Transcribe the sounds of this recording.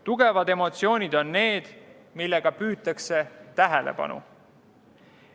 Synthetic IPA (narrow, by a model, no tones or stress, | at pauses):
t̪uɡ̥e̞vɑd̪e̞mo̞t̪sio̞ːnʲid̪o̞nːe̞ːd̪̥ | milːe̞ɡ̥ɑpyːt̪ːˑɑkse̞t̪æɦelḛpɑ̰nṵ